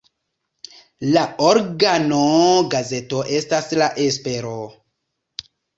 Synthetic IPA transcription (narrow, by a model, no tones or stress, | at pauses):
laoɾɡanoɡaze̞toʔe̞staslaʔespe̞ɾo